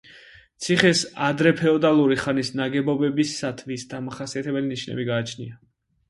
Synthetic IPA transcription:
t̪sʰiχɛsad̪ɾɛpʰɛɔd̪alˠuɾiχanisnaɡɛbɔbɛbisːat̪ʰvisd̪̥amaχasiat̪ʰɛbɛliniʃnɛ̰biɡaːt͡ʃʰnḭa

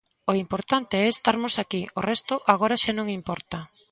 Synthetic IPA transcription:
oimpoɾt̪ant̪eɛst̪aɾmʊsakiorɛst̪ʊʔaɣoɾaʃanõŋimpɔɾt̪ɐ

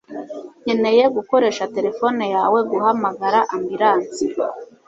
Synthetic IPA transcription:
ɲene̞je̞ɡuko̞ɾe̞ʃate̞ɾe̞fo̞nejaːwe̞ɡuhamaɡaɾaʔambiɾaːnt͡si

